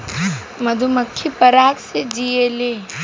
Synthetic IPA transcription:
mɐd̪ʱuməkʰːipɐɾaːk̪sed͡ʒiele

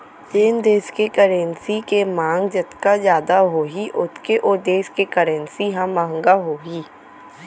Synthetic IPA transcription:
t͡ʃeːnd̪eːʃkekəɾə̃nsikemãːŋɡd͡ʒɐt̪kazjaːd̪aɦoːɦiʔʊt̪ʰkeʔoɾd̪eːʃkekəɾə̃nsiɦãmɐɦə̃ŋɡaɦoːiː

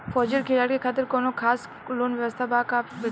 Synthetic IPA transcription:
fʰɔːd͡ʒəɾkʰɪlaːɽkekʰaːt̪̬ɪɾkoːnokʰaːs | loːnʋəʋəst̪ʰabaːkaː

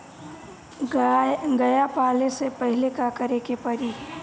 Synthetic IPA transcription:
ɡɐjapaːlesepɐɦɪlekakəɾekepɐɾi

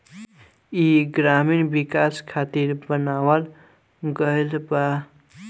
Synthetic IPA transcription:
iɡɾaminbikaskʰat̪iɾbənawəl | ɡəjlba

